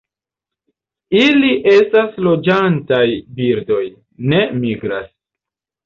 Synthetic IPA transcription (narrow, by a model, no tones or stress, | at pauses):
iliʔe̞staslo̞d͡ʒantajbiɾdo̞j | ne̞miɡɾa̰s